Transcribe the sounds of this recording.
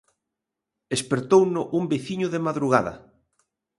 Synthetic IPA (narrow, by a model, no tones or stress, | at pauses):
espeɾt̪ownʊʔumbeθiɲʊðemaðɾuɣ̞aðɐ̰